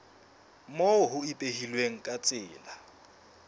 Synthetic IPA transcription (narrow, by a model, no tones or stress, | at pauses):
moɦʊipʼeɦilweŋ̩kʼat͡sʼɪːla